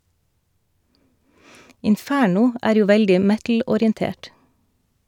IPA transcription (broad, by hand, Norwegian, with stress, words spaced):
ɪnˈfæːɳʊ ˈæːɾ ˈjuː ˈʋɛldɪ ˈmɛtl̩ɔɾɪənˌteːʈ